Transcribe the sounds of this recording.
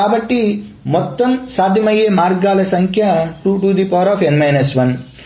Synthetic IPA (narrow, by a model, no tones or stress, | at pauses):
aːbɐʈːimɔt̪ːɐmsaːd̪ʱjɐmɐjeːmaːɾɡaːlɐsɐŋkʰjaʈuʈuːd̪ipɔːɾɔːfenmajnɐsʋɐn